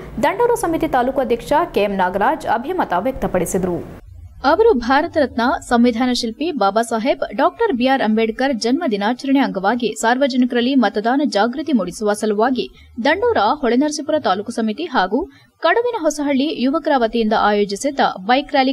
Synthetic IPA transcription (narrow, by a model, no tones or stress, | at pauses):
d̪ɐɳɖoːɾɐsɐmit̪it̪aːlukuɐd̪ʱjɐkʂɐkeːmnaːɡɐɾaːd͡ʒɐ̰bʱimɐt̪aʋjɐk̚t̪ɐpɐɽisid̪ɐɾu | ɐʋɐɾubʱaːɾɐt̪ɐɾɐt̪nɐsɐmʋid̪ʱaːnɐʃilpibaːbaːsaːɦebɖaːk̚ʈɐɾbijaːɾɐmbeːɖkɐɾd͡ʒɐnmɐd̪inaːt͡ʃɐɾɐɳeɐŋɡɐʋaːɡisaːɾʋɐd͡ʒɐnikɐɾɐlːimɐt̪ɐd̪aːnɐd͡ʒaːɡɾut̪imuɽisuʋɐsɐluʋaːɡi | d̪ɐɳɖoːɾɐɦɔɭenɐɾsipuɾɐt̪aːlukɐsɐmit̪iɦaːɡu | kɐɽɐʋinɐɦɔsɐɦɐɭːijuʋɐkɾaːʋɐt̪ijind̪ɐʔaːjoːd͡ʒisid̪ːɐ̰bɐjkɾaːli